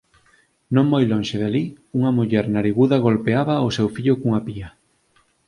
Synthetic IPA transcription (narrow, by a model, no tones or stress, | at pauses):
nõŋmojlõŋʃeðali | uŋɐmuʎɛɾnaɾiɣuðɐɣ̞olpeaβɐosɛwfiʎʊkuŋapiɐ